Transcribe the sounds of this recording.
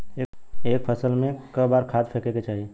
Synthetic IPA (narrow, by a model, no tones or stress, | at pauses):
eek̚pʰəsəlmekəbaɾkʰad̪pʰekeket͡ʃaɦi